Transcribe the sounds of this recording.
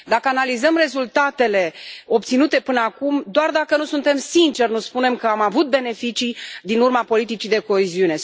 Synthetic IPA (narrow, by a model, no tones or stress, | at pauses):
d̪akəanalizəmre̞zult̪at̪e̞le̞o̞pt̪sinut̪e̞pɨnəakumd̪oard̪akənusunt̪e̞msint͡ʃe̞rnuspune̞mkəamavut̪̚be̞ne̞fit͡ʃid̪inurmapo̞lit̪it͡ʃid̪e̞ko̞eziune̞